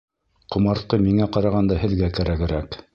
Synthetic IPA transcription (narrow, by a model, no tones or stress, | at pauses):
qŏmɑɾt̪̚qɤmiŋæqɑɾɑʁɑnd̪ɑɦɘ̆ðɡækæɾæɡɘ̆ɾæk